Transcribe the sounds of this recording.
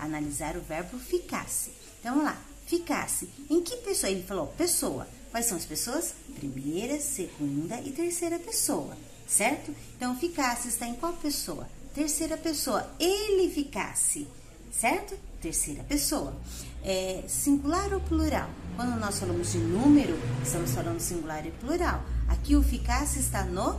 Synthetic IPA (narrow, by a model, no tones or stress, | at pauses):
a̰nalizaɾʊvɛɾbʊfika̰sɪ̥̃ | t̪ɐ̃w̃ɐ̃la̰ | fika̰sɪẽkɪpesoelɪfalowpesowɐ̰ | kwajsɐ̃w̃ɐspesoɐspɾimejɾɐseɡũnd̪ɐʔɪt̪eɾsejɾɐpesoɐ̰ | sɛɾt̪ʊẽnt̪ɐ̃w̃fikasɪɪst̪aẽkwawpesoɐ̰ | t̪eɾsejɾɐpesoɐelɪfika̰sɪ | sɛɾt̪ʊt̪eɾsejɾɐpesoɐɛsĩŋɡulaɾopluɾa̰wkwɐ̃nd̪ʊnɔsfalɐ̃mʊzd͡ʒɪnũmeɾʊɪst̪ɐ̃mʊsfalɐ̃nd̪ʊsĩŋɡulaɾɪpluɾawa̰kiʊfikasɪːst̪ano